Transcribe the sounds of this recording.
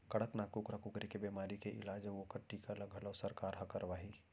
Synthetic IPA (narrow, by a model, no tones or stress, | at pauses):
kɐɽəknaːkukɾakʊkɾikebemaːɾikeʔɪ̰laːd͡ʒʋokəʈːikalɐɡʱələwsəɾkaːɾɦɐkəɾʋaːɦi